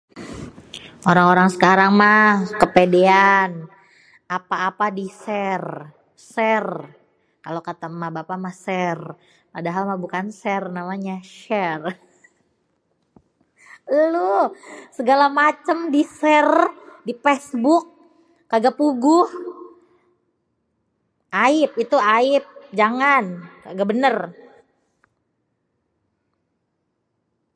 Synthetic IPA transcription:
oɾaŋoɾaŋsəkaɾaŋmakəpedean | apaːpadisɛr | sɛr | kalokat̪amahbapamahsɛr | padaɦalmahbukansɛrnamaɲaʃɛr | losəɡalamat͡ʃəmdisɛrdipɛsbʊk̚ː | aɡapuɡʊh | aɪp̚it̪uaɪp̚d͡ʒaŋankaɡabənər

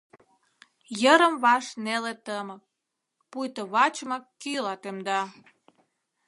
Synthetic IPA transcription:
jəɾəmβɑʃnelet̪əmək̚ | pujt̪oβɑt͡ɕmɑkːylɑt̪emd̪ɑ

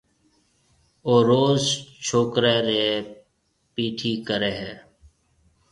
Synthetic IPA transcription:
oːɾoːzt͡ʃʰoːkɾeːɾeː | piːʈʰiːkəɾeːɦeː

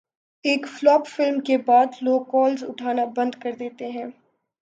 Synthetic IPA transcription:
eːkflɔːpfɪlmkebaːd̪loːɡkɔːlzʊʈʰaːnabɐ̃nd̪kɐɾd̪eːt̪eɦɛ̃ː

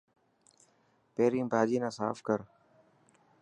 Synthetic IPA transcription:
peːɾĩːmbʱaːd͡ʒiːnãːsa̰ːfkəɾ

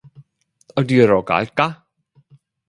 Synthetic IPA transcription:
ɔdiəɾɔɡa̰jɡ̥a

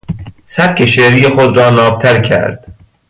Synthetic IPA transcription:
sæp̚kʰeʃeɾijexod̪rɒːnɒːb̚t̪ʰæɾcʰæ̰ɾd̪̥

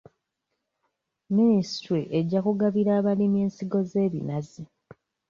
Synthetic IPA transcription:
ministɾiʔeɟːakuɡaβiɾaːβalimje̞ːnsiɡo̞ze̞ːβḭnazi

